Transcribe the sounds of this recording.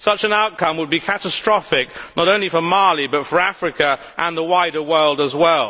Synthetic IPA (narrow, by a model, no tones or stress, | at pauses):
sʌt͡ʃɨ̃naʊt̚kʰʌ̃mwəd̚bikʰæɾəstɹ̥ɔfɪk̚nʔəɾõʊ̃nlifə˞mɑɹlˠibʌtfə˞æfɹɨkɨ | ʔə̃nðəwaɪɾə˞wɜ˞lˠdəzwɛlˠ